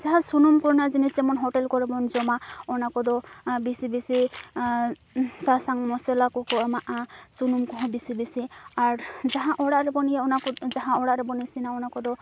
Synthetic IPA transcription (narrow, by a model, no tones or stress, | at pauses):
d͡ʒaɦãsunumkɔɾnad͡ʒinist͡ʃɛmɔnɦɔʈɛlkɔɾibɔnd͡ʒɔmaɔnakɔd̪ɔbisibisi | sasaŋmɔsɛlakɔkɔmaʔasunumkɔɦɔ̃bisibisiaɾd͡ʒaɦãʔɔɽaʔɾɛbɔnijaɔnaɔd͡ʒaɦãɔɽaʔɾɛbɔnisinaɔnakɔd̪ɔ